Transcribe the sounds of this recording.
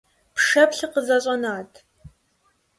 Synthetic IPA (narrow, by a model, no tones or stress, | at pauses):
pʂɐpɬɨqəzɐɕʼɐnaːtʰ